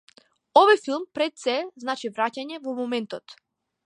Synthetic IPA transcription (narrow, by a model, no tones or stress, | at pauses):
ɔvɔjfilˠmpɾɛt̪sɛznat͡ʃivɾacaɲɛvɔmɔmɛnt̪ɔt̪